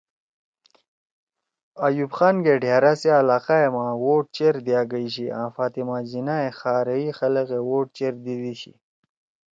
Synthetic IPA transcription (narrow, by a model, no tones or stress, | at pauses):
ajubxaːnɡeɖʱjaɾasealaːqaemawoʈ̚t͡ɕeɾd̪jaɡəɕiã̰ːfaːt̪imad͡ʑinaexaːɾəixɐləqewoʈ̚t͡ɕeɾd̪id̪iɕḭ